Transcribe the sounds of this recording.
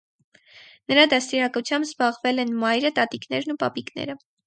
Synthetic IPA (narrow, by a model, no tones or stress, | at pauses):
nəɾɑd̪ɑst̪iɾɑkut͡sʰjɑmbzbɑʁvɛlɛnmɑjɾət̪ɑt̪iknɛɾnupɑ̰piknɛ̰ɾə